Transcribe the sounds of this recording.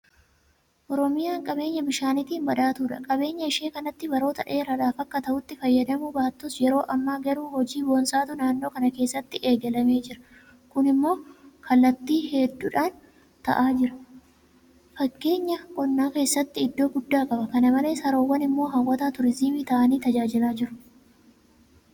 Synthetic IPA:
ʔɔɾɔmɪjaːŋkʼɐbe̞ːɲːɐbɪʃaːnɪt̪iːnbɐᶑ̪aːt̪uːᶑɐ̰kʼɐbe̞ːɲːɐɪʃe̞ːkɐnɐt̪ːɪbɐɾo̞ːt̪ɐᶑʔe̞ːɾɐᶑaːfɐkːɐt̪ɐʔʊt̪ːɪfɐjːɐd̪ɐmubaːt̪ːʊsjɛɾo̞ːʔɐmːaːɡɐɾuːhɔd͡ʒiːbɔnsʼaːt̪ʊnaːnːo̞ːkɐnɐkeːsːɐt̪ːɪʔe̞ːɡɛlɐme̞ːd͡ʒɪɾɐ̥ | kʊnɪmːo̞ːkʰɐlːɐt̪ːiːhed̪ːuːᶑaːn | t̪ɐ̰ʔaːd͡ʒɪɾɐ̥ | fɐkːe̞ːɲːɐkʼɔnːaːke̞ːsːɐt̪ːɪɪd̪ːo̞ːɡʊd̪ːaːkʼɐbɐkɐnɐmɐle̞ːsɐɾoːwːɐnɪmːo̞ːɦɐwːɐt̪aːt̪ʊɾɪzimit̪ɐʔɐniːt̪ɐd͡ʒaːd͡ʒɪlaːd͡ʒɪɾʊ̥

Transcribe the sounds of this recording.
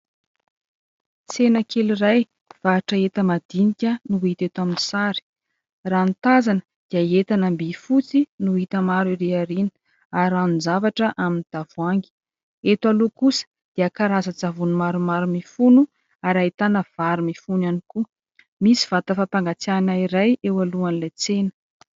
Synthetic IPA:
senəkʰeliraj | v̥aːʈ͡ʂəet̪əmad̪̥inikʲənuit̪et̪waminisaɾi̥ | rant̪azanə | d̪̥iəet̪anambifut͡sinuɦit̪əmaɾiɾeaɾinə̥ | aɾanunzavaʈ͡ʂəʔaminid̪̥avuaŋɡi̥ | et̪walokusə̥ | d̪̥iəkaɾazəd͡zavunumaɾumaɾumifunu | aɾaet̪anəv̥aɾumifunaniku | misi̥v̥at̪əfapaŋɡat͡sanaiɾajewaluanilajt͡senə̥

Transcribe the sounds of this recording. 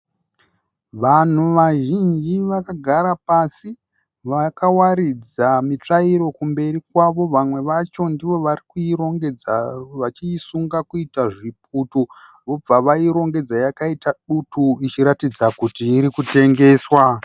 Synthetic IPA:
ʋan̤uʋaʒind͡ʒiʋakaɡʱaɾapasi | ʋakawaɾid͡zamit͡ʂaiɾo̞kumbe̞ɾikwaʋo̞ʋamwe̞ʋat͡ʃo̞ndiʋo̞ʋaɾikuiɾo̞ŋɡe̞d͡zaʋat͡ʃiːsuŋɡakuitaʐip̚utu | ʋo̞b͡vaʋaiɾo̞ŋɡe̞d͡zajakaitaɗutuit͡ʃiɾatid͡zakutiːɾikute̞ŋɡe̞ːswa

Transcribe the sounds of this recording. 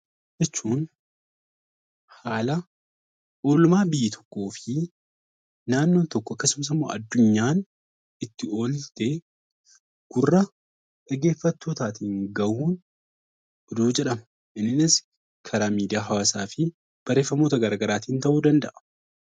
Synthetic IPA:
d͡ʒɛt͡ʃːuːn | haːlɐ | ʔo̞ːlʊmaːbɪjːɪt̪ʰɔ̥kːo̞ːfɪ | naːnːoːt̪ɔkːɔɐkːɐsʊms̬ɪmːo̰ːʔɐ̰d̪ːʊɲːaːn | ɪt̪ːɪo̞ːlt̪e | ɡ̥ʊrːɐ | ᶑɐɡe̞ːfːɐt̪ːo̞ːt̪aːt̪iːŋɡɐʔuːn | d̪uːd͡ʒɛᶑɐmɐ | ʔɪnːɪnɪs | kʰɐɾaːmiːd̪ɪjaːɦɐwaːsaːfɪ | b̥ɐɾe̞ːfːɐmo̞ːt̪ɐɡɐɾaːɡɐɾaːt̪iːnt̪ɐʔuːd̪ɐnd̪ɐʔɐ̥

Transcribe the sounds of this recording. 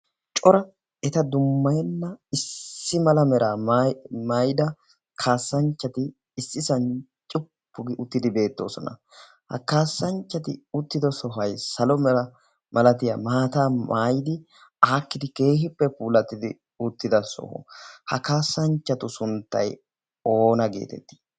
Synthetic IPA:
t͡ʃʼɔɾɐ | ɛt̪ɐd̪ʊmːɐjɛnːɐɪsːɪmɐlɐmɛɾaːmaːjɪd̪ɐ | kʰaːsːɐnt͡ʃːɐt̪ɪː | sːɪsɐnt͡ʃʼɪpːʊɡɪʔʊt̪ːɪd̪ɪbe̞ːt̪ːo̞̰ːsɔ̰nɐ̰ | hɐ̰kaːsːɐnt͡ʃːɐt̪ɪʊt̪ːɪd̪ɔsɔɦɐjsɐlɔmɛɾɐ | mʔɐlɐt̪ɪjɐmaːt̪aːmʔaːjɪd̪ɪ | aːkːɪd̪ɪke̞ːɦɪpːɛpuːlɐt̪ːɪd̪ɪ | ʊt̪ːɪd̪ɐsɔ̰hɔ̰hɐkaːsːɐnt͡ʃːɐt̪ʊsʊnt̪ːɐ̰j | o̞ːnɐɡḛːt̪ɛ̰t̪ːɪ̥

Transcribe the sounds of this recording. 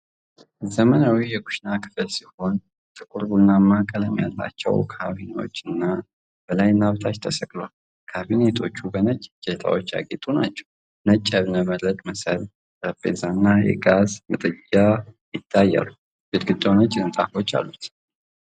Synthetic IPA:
zəmənawijɛkʊ̥ʃnakʰɨ̥fɨlsiho̞n | t̪ʼɨkʼuɾɡunːamːakʼələmja̰lːa̰t͡ʃːɛ̰wkʰaβino̞̰t͡ʃːɨnːa | b̥əlajnːaβt̪ʰat͡ʃt̪ʰəsəkʼloal | kʰaβinet̪ʰo̞t͡ʃːubənət͡ʃʼːd͡ʒet̪ʰa̰wot͡ʃːa̰ɡet̪ʼunat͡ʃːɛw | nət͡ʃʼːəβnəməd̪ɾət̪ʼməsəl | ɾəpːḛzanːajɛ̰ɡazmɨt̪ʼɨd͡ʒajɪt̪ʰːajːa̰lu | bet̪ɡɨd̪ːənət͡ʃʼːɨnt̪ʼafo̞t͡ʃːa̰lːut̪

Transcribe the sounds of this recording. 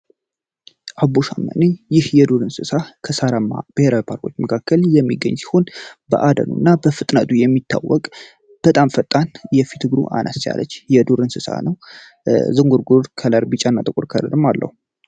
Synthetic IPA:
ʔaboʃamːə̰nijɪhjɛd̪uɾɨnsɨsakʰəsaɾəmːa̰b̥ɨheɾawpʰaɾkʰot͡ʃːməkʰakʰːəljɛmːiɡːə̰ɲːsi̥ho̞nbə̰ʔad̪ə̰nṵnːabəfɨt̪ʼnət̪ʼujɛmːit̪ʰːawːɔkʼ | b̥ət̪ʼamfət̪ʼːanjɛfit̪ʰɨɡɾṵʔa̰nʔa̰st͡ʃa̰lət͡ʃːjɛd̪uɾɨnsɨsa̰nəw | zɨŋɡuɾɡuɾkʰələɾbɨt͡ʃʼanːat̪ʼɨkʼuɾkʰələ̰ɾɨmalːʔə̰hu

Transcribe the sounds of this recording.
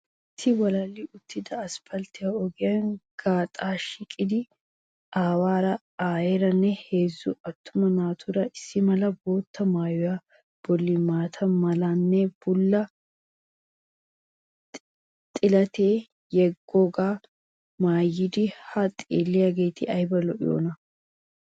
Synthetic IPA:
ɪt̪ʰːɪwɔlɐlːɪʊt̪ːɪd̪ɐːspɐlt̪ɪjaɔɡɪjɐnɡ̥aːt̪ʼaːʃikʼɪd̪ɪ | ʔaːwaːɾɐ | aːjɛɾɐnːɛhe̞ːzːʊɐt̪ʰːʊmɐnmaːt̪ʰʊɾɐɪsːɪmɐlɐbo̞ːt̪ːɐmaːjɔja | b̥ɔlːimaːt̪ʰɐmɐlɐnːɛb̥ʊlːɐ | t̪ʼɪlɐt̪eː | jɛɡːoɡaː | maːjːɪd̪ɪhɐt̪ʼiːlːɪjaɡeːt̪ɪʔɐjbɐlɔʔɪ̰jo̰ːnɐ

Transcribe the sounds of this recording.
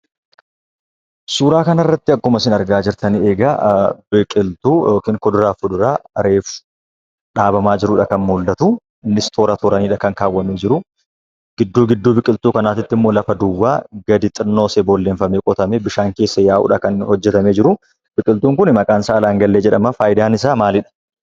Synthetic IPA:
suːɾaːkɐnɐrːɐt̪ːɪɐkːʊmɐsɪnɐɾɡaːd͡ʒɪɾt̪ʰɐnɪeːɡɐbɪkʼɪlt̪uːjoːkiːŋkɔd̪ʊɾaːfʊd̪ʊɾaːɐɾeːfʊ̥ | ᶑaːbɐmaːd͡ʒɪɾʊᶑɐkɐnmuːld̪ɐt̪u | ɪnːɪst̪ʰoːɾɐt̪ʰoɾɐniːᶑɐkɐŋkaːwːɐmeːd͡ʒɪɾʊ | ɡ̥ɪd̪ːuːɡɪd̪ːuːbɪkʼɪlt̪uːkɐnaːt̪ɪt̪ːɪmːo̞ːlɐfɐd̪ʊwːa̰ːɡɐd̪ɪt̪ʼɪnːo̞ːsɛbɔlːeːɱfɐmeːkʼɔt̪ɐmeːbɪʃaːŋke̞ːsːɐjaːʔʊ̰ᶑɐkɐnhɔd͡ʒːɛt̪ɐmeːd͡ʒɪɾʊ | b̥ɪkʼɪlt̪uːŋkʊnɪmɐkʼaːnsaːlaːŋɡɐlːeːd͡ʒɛᶑɐmɐfaːjɪd̪aːnɪs̬aːmaːlɪᶑɐ̥

